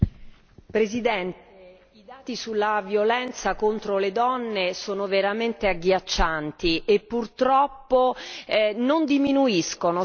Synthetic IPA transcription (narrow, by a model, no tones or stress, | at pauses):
pɾezid̪ɛnt̪e | id̪aːt̪isulːavjolɛnt̪sakont̪ɾoled̪ɔnːesoːnoveɾament̪eaɡːjat͡ʃːant̪iʔepːurt̪ɾɔpːo | nond̪iminuiskono